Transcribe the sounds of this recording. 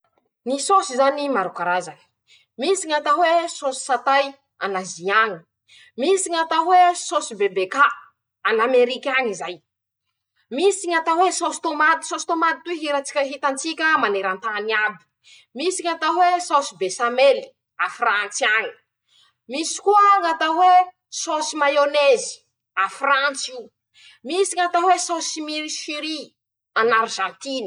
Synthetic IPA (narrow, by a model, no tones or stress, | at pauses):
nisosizanimaɾukaɾazani̥ | misiŋat̪awesosi̥sat̪aj | a̰naziaŋi̥ | misiɲat̪awesosibebeka | anameɾikʲaŋizaj | misiɲat̪awesosi̥t̪omad̪i̥sosi̥t̪omad̪it̪uiɦiɾat͡si̥kʲaɦit̪ant͡sikʲəmaneɾant̪aniabi̥ | misiŋat̪awesosibesameli̥ | afrant͡siani̥ | misi̥kuəŋat̪awe | sosimajonezi̥ | afrant͡si | misiɲat̪awesosimiɾiʃiɾi | anaɾʒãnt̪ini